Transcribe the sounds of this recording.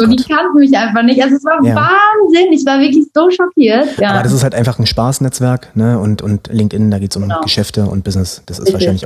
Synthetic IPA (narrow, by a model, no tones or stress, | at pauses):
zoːdiːkʰantn̩mɪçʔaɪnfaχnɪçtalzoɛsv̥aːɐaːvaːnzɪnɪçv̥aːɐvɪɐklɪçz̥oːʃɔkʰiːɐtʔjaːaːbɐɾas̬ɪsthaltʔaɪnfaχn̩ʃpaːsnɛt͡sv̥ɛɐknəʊntʊntlɪŋk̚tʔɪnəndaːɡeːtsʊmɡ̥əʃɛftəʊ̰nt̚b̥ɪznɪsd̥asɪ̰svaɐʃaɪnlɪçʔa